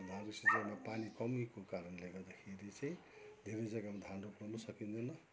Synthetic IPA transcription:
d̪ʱanrusit̪amapanikʌmikokaɾʌnleɡʌd̪ʌkʰeɾit͡sʌj̃ | d̪ʱeɾejd͡zʌɡamd̪ʱanruprʌnʌsʌkind̪ʌnʌ

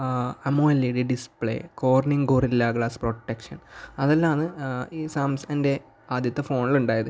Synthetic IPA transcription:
ɐmoːjɐlːeɽeɖispɭḛːko̞ːʋɐrniŋɡoːrilːaːɡɭaːsproʈːekʂɐ̰nɐðɐlːaːnɨiːsaːmsende̞ | aːd̪ʱjɐt̪ːɨfo̞ːɳiluɳɖaːjɐðɨ

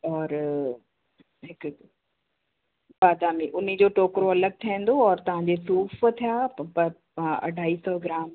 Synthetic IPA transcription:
ɔːɾ | ɦɪk | baːd̪aːmiʔʊnid͡ʑoːʈoːkɾoɐləɡ̚ʈ̪ʰiẽn̆d̪oɔːɾt̪ɐʋ̤ãːɲd͡ʑesuːft̪ʰijaːpɐ | ɐ̰ɖʱaːiːsɔːɡɪɾaːm

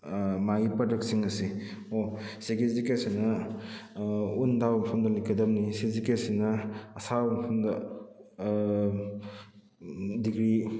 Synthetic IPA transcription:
maɡipɐdɐk̚siŋɐsiosiɡezikesinɐ | undabɐmɐpʰɐmdɐlikɐdɐmnisizikesinɐːsabɐmɐpʰɐmdɐ | diɡɾi

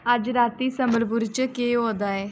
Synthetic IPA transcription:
əd͡ʒɾaːt̪iːsəmbəɾpʊɾt͡ʃəkeːɦoːd̪aːɛː

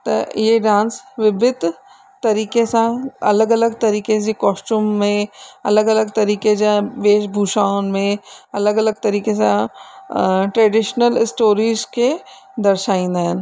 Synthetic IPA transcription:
t̪ɐ̰jeɖãːnsʋɪbɪd̪ | t̪ɐɾiːkesãɐ̰ləɡɐləɡt̪ɐɾiːked͡ʑekɔːsʈuːmːẽɐləɡɐləɡt̪ɐɾiːked͡ʑãʋeːʃbʱuːʃaːʊnɪ̆mẽɐləɡɐləɡ̚t̪ɐɾiːkesã | ʈɾeːɖɪʃnəlɪsʈoːɾiːzke | d̪ɐɾʃaːĩːn̆d̪aːɦɪnɪ̆

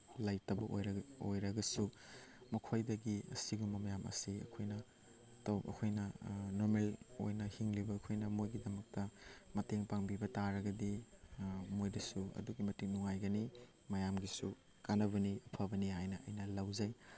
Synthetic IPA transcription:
lajtɐbɐʔo̰jɾɐo̰jɾɐɡɐsumɐkʰojdɐɡiɐ̰siɡumɐmɐjamʔɐ̰siɐ̰kʰojnɐ | tɐwɐ̰kʰojnɐnoɾmelo̰jnɐhiŋlibɐːkʰojnɐmojɡidɐmɐk̚tɐmɐteŋpaŋbibɐtaɾɐɡɐdi | mojdɐsuɐ̰duɡimɐtiŋnuŋajɡɐni | mɐjamɡisṵ | kanɐβɐniɐpʰɐbɐnihajnɐʔɐ̰jnɐlɐwzɐj

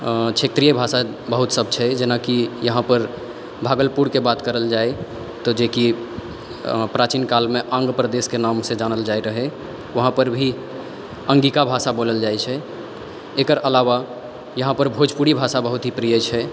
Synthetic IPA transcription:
kt͡ʃʰet̪ɾijəbʱasa | bəɦut̪səb̚ʱt͡ʃʰɛd͡ʒenakijəɦãpəɾ | bʱaːɡəlpuɾkebat̪kəɾəld͡ʒae | t̪ɔd͡ʒeki | pɾat͡ʃinkalmeʔãŋɡpɾəd̪eskenamsed͡ʒanəld͡ʒaeɾəɦɛ | ʋəɦãpəɾbʱi | ə̃ŋɡikabʱasaboləld͡ʒaet͡ʃʰɛ | ekəɾəlaʋa | jəɦãpəɾbʱod͡ʒpuɽibʱasabəɦut̪ɦipɾijət͡ʃʰɛ

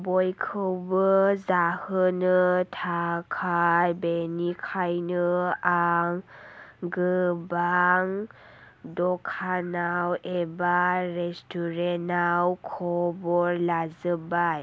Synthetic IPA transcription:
bɔjkʰɯwbɯzahɯnɯtʰakʰajbenikʰajnɯaŋ | ɡɯbaŋ | dɔkʰanawebaɾestɔɾenawkʰɔbɔɾlazɯbaj

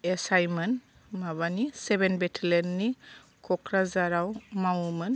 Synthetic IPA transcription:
esajmɯn | maβanisebenbɛtʰelɛnːi | kʰɔkɾazaɾawmawmɯn

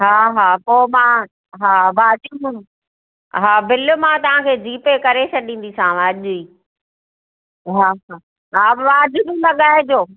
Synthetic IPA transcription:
ɦaːɦaːpoːmã | ɦaːʋaːd͡ʑʊmu | ɦaːbɪlmãt̪ɐʋ̤ãkʰeːd͡ʑiːpekɐɾet͡ɕʰɐɗĩːn̆d̪isãːʋãʄʊiː | ɦaːɦaː | ɦaːʋaːd͡ʑɪbĩlɐɠaːɦẽd͡ʑoː

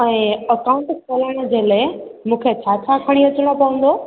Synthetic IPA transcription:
ɛ̃ːəkaʊ̃ɳʈsɐlaɽ̃ə̆d͡ʑeːlaemũːkʰet͡ɕʰaːt͡ɕʰakʰɐɽ̃iʋɐt͡ɕəɽ̃opɐʋə̃n̆d̪o

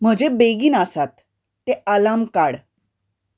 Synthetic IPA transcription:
m̤əd͡ʑebeɡiːnasat̪ː | ealamkaɽ

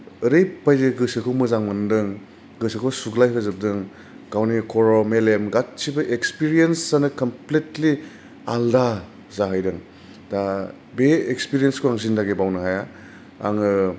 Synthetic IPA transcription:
ɯɾejbajzeɡɯsɯkʰɯwmɯzaŋmɯndɯŋ | ɡɯsɐkʰowsuɡlajpʰazɯb̚dɯŋ | ɡ̥awnikʰɔɾɔmelemɡat̚ːsibɐʔekspiɾijensːanɯkɐmpletli | alda | zaɦajdɯŋ | da | beekspiɾijenskʰoaŋzindaɡebawnɯɦaja | a̰ŋɯ

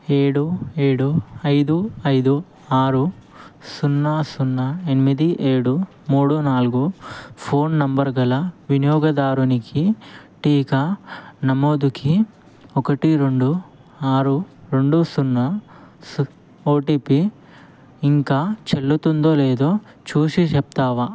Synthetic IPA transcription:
eːɽueːɽuɐjd̪uɐjd̪u | aːɾusunːasunːɐenimid̪iʔeːɽu | muːɽunaːlkupʰo̞ːnnɐmbɐɾɡɐlɐʋinijɔːɡɐd̪aːɾunikiʈiːkɐnɐmoːd̪uki | ɔkɐʈiɾoɳɖu | aːɾuɾe̞ɳɖusunːɐsu | oːʈiːpiː | ŋkaːt͡ʃelːut̪und̪oːle̞ːd̪oː | t͡ʃuːʂit͡ʃep̚t̪aːʋa

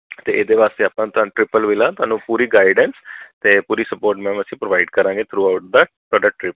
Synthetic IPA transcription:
t̪eːʔeːd̪eːʋaːst̪eːaːpãːt̪ʊaːñːʈɾɪpəlʋɪlãːt̪ʊaːnũːpuːɾiːɡaːɪɖɛnst̪eːpuːɾiːsəpoːɾʈmɛ̃ːəsĩːpɾoːʋaːɪɖkəɾãːŋɡeːt̪ʰɾuːaːʊʈ̚d̪aː | t̪aːɖaʈɾɪp

